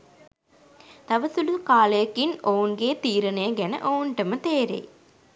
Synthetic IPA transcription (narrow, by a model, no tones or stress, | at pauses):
t̪aʋəsulukaːləjɐkinounɡeːt̪iːɾənəjəɡænə̰ʔounʈəmət̪eːɾḛj